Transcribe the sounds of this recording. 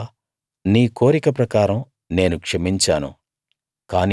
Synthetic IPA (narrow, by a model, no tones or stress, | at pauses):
niːko̞ːɾikɐpɾɐkaːɾɐm | ne̞ːnukʂɐmiɲt͡ʃaːnṵ | kaːn